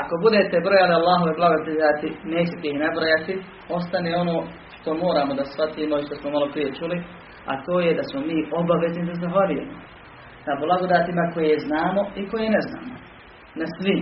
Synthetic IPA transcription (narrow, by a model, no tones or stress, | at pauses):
ako̞bud̪et̪ebɾo̞jalialːaːɦoʋoblˠaɡod̪daːt̪ineːt͡ɕet̪einabɾo̞jat̪i | o̞s̬t̪aneːo̞no̞ː | ʃt̪o̞mo̞ːɾaːmo̞d̪asfat̪iːmoiʃt̪osmomalˠo̞pɾije̞t͡ʃuli | a̰t̪o̞ːjed̪asmomiːʔo̞baʋe̞znid̪azaxʋaʎujeːmo | nablˠaɡod̪aːt̪imako̞jeznaːmo̞iko̞jeːnezna̰ːmo | nasʋim